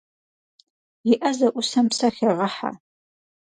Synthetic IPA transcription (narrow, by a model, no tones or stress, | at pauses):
jɪʔɐzɐʔʷʊsɐmsɐxɐʁɐħa̰